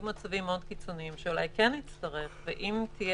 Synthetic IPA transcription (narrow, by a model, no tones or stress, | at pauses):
ɡmat͡savimːeo̞d̪kit͡so̞niimʃeula̰jkenit͡stɐʁe̞χveʔimtʰije